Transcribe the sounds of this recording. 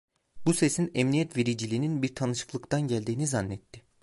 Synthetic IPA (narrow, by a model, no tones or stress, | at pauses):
busesinɛmnijɛt̪ve̞ɾid͡ʒilʲiːninbiɾt̪ʰanɯʃɯ̥klˠɯkt̪ʰanɟælʲd̪iːnizanːɛt̪ːɪ